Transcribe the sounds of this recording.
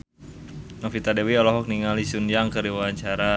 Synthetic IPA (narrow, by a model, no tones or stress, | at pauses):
nafit̪adewiɔlɔɦɔk̚niŋalisunjaŋkəɾiwaaɲt͡ʃaɾa